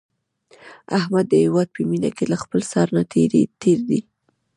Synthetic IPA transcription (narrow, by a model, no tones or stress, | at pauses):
ahmad̪ːəhɪwɑd̪̚pʰəminakelaxpəlsɑɾnat̪ʰeɾḛt̪ʰeɾd̪i